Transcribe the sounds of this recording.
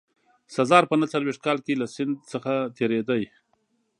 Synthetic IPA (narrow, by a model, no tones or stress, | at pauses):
sazɑɾpənat͡salwext̪̚kɑlkelasɪnd̪səxat̪eɾed̪aj